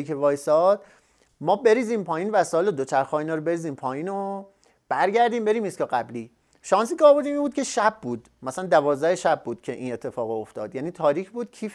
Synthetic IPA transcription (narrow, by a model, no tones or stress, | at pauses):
ikʰevɒːjsɒːd̪̥ | mɒːbe̞ɾiːziːmpʰɒːjiːnvæsɒːelod̪ot͡ʃʰæɾxɒːinɒːɾobe̞ɾiːziːmpʰɒːjiːno | b̥æɾɟæɾd̪iːmbe̞ɾiːmiskɒɢæbliː | ʃɒːns̬iːcʰeːbo̞ɾd̪iːmiːmbuːd̪̚cʰe̞ʃæbːuːd̪̥ | mæsælænd̪ævɒːzd̪æheʃæb̚ːuːd̪cʰe̞ʔiːne̞t̪ʰːe̞fɒːɣoft̪ɒ̰ːd̪̥jæːniːt̪ʰɒːɾiːcʰbuːd̪̥kʰiː